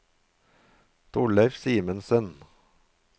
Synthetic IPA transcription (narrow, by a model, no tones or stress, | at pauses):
t̪ʰʊɭəfsiːmənsən